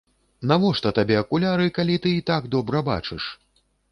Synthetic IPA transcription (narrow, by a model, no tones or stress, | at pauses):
navɔʂt̪ɐt̪abʲɛɐkulʲaɾɨkalʲit̪ɨːt̪aɡd̪ɔbɾɐba̰t͡ʂɨʂ